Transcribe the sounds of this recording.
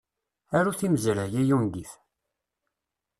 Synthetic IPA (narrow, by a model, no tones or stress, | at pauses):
æɾuθiməzɾəjijunɡ̪iθ